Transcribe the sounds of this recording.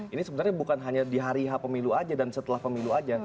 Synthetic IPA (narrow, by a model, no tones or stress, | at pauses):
inisəbənarɲabukanɦaɲadiɦaɾiɦapəmiluad͡ʒadansət̪əlahpəmiluad͡ʒa